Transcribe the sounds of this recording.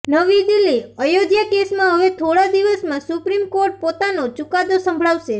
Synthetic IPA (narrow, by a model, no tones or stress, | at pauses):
nəʋid̪ilːiəjoɡjakesmãɦəʋet̪ʰoɽad̪iʋəsmãsupɾimkoɾʈ̚pot̪anot͡ʃukad̪osə̃mbʱɭaʋʃe